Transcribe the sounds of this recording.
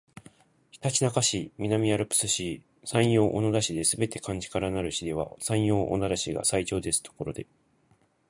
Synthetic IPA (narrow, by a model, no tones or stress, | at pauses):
çi̥t̪at͡ɕinakaɕimʲinamʲiaɾɯ̟pɯ̟̥sɨɕi | sãɰ̃jo̞ːʔonod̪aɕid̪e̞sɨbe̞t̪e̞̥kãɲ̟d͡ʑi̥kaɾanaɾɯ̟ɕid̪e̞β̞a̰sãɰ̃jo̞ːʔonad̪aɕiɡa̰sait͡ɕo̞ːd̪e̞sɨ̥t̪ʰo̞̥ko̞ɾo̞d̪e̞